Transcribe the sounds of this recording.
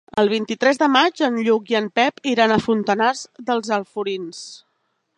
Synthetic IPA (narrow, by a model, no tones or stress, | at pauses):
əlˠβ̞int̪it̪ɾɛzðəmad͡ʒənʎukiəmpɛpiɾanəfunt̪ənazðəlˠzəlˠfuɾins